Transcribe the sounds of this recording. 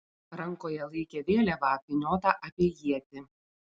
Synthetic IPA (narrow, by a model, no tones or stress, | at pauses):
ɾɐŋkoːjɛlˠɐɪkʲeːʋʲeːlʲɛʋɑːpʲɪnʲoːt̪ɑʔɐpʲiɛjiɛt̪ʲɪ